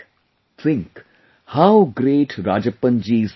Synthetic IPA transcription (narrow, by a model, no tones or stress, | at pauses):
t̪ʰɪ̃ŋk | haʊɡɾeːʈʰɾaːd͡ʒəpə̃nd͡ʒiːz